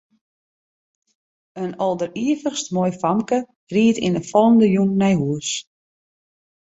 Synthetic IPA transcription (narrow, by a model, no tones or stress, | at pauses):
ənɔlˠdəriəvəxstmoːjfamkə | riətḭnəfɔlˠəndəjunnɛjɦuəs